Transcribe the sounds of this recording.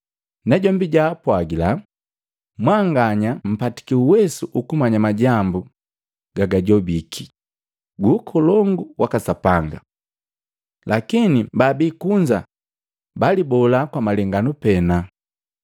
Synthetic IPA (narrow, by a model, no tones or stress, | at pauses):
nɛɟɔmbiɟaːpwaɡila | mwaŋɡaɲam̩pati̥kiuwɛsuʔukumaɲamaɟambu | ɡ̥aɡaɟɔbikʰi | ɡuːkʰɔlɔŋɡuwakasapaŋɡa̰ | lakinibabiːkuɲd͡ʒa | balibɔlakwamalɛŋɡanupɛna